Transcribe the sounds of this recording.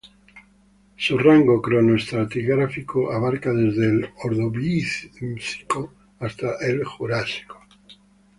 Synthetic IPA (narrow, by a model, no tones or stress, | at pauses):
suraŋɡokɾonoest̪ɾat̪iɣɾafikoʔaβaɾkaðezðeloɾðoβisi̥ko | ast̪aʔelxuɾasi̥ko̥